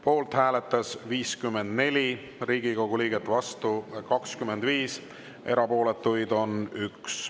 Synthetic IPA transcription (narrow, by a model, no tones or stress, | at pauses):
po̞ːlt̪hæːlet̪ːˑɑsviːskymːend̪̥ne̞lʲi | riːɡikoɡ̥uliːɡ̥et̪ːvɑst̪ukɑkskymːend̪viːs | e̞̰ɾɑpo̞ːle̞t̪ːˑujd̪̥o̞nyks